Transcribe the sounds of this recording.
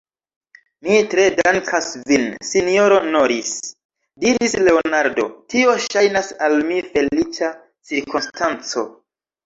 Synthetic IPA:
mitɾe̞dankʰasvinsinioɾo̞noɾis | diɾisle̞onaɾdo̞̰tio̞ʃajnasalmife̞lit͡ʃa | t͡siɾkonstʰant͡so̞̰

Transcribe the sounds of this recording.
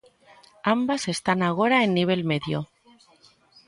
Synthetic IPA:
ambase̞st̪anaɣ̞o̞ɾaenːiβ̞e̞lme̞ðjo

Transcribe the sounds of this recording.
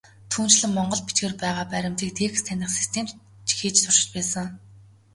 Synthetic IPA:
t̪ʰuːn̥t͡ɕɮɘ̆ŋmɔɴɢɞ̆ɮpit͡ɕɡeːrpæːʁaːpæɾʲɪ̆mt̪iːk̚t̪ʰeːx̆st̪ʰænʲɪ̆χsi̥st̪ʰeːm | t͡ɕixiːt͡ɕt͡s̪ʰʊr̥ʃɪ̥̆t͡ɕpæːsə̆ŋ

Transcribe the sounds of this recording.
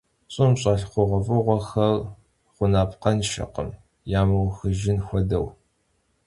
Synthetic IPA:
ɕʼʊmɕʼɐɬqʷʊʁʷɔfʼɨʁʷɔxɐr | χʷʊnaːpqɐnʃɐ̰qə̰m | jaːmɐwxɨʒɪnxʷɔdɐw

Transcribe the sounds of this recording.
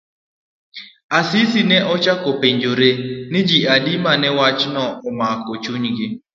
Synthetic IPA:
asisinɛʔɔt͡ʃakɔpeɲd͡ʒoɾenɪd͡ʒiadimanɛwat͡ʃnɔɔmakɔt͡ʃuɲɡɪ

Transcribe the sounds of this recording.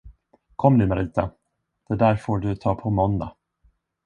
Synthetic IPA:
kʰɔmːnʉːmaɾiːt̪a | d̪̥ɛd̪æːɾfoːɖɵt̪ʰɑːpʰɔmɔnd̪a̰

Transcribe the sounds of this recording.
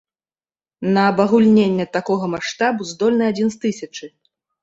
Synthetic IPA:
nɐːbɐɣulʲnʲenʲːɛt̪akɔɣɐmaʂt̪abuzd̪ɔlʲnɨad͡zʲinst̪ɨsʲɐt͡ʂɨ

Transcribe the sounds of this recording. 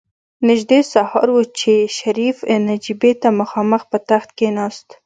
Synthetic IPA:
nɪʒd̪esahɑɾwət͡ʃeʃaɾifnad͡ʒibet̪aməxɑməxpət̪axt̪̚kenɑst̪

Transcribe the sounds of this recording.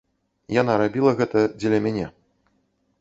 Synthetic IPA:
janaɾabʲilˠɐɣɛt̪ɐd͡zʲɛlʲɐmʲanʲɛ

